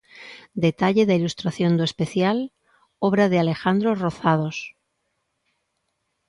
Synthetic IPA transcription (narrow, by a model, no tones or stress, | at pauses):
d̪et̪aʎeðailust̪ɾaθjõnd̪ue̞speθjal | oβɾaðeale̞xand̪ɾoroθað̞os